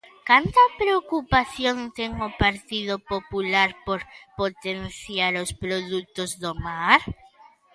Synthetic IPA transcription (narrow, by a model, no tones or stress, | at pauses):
kant̪ɐpɾeokupaθjont̪eŋopaɾt̪iðopopulaɾpoɾpot̪enθjaɾospɾoðut̪ozðomaɾ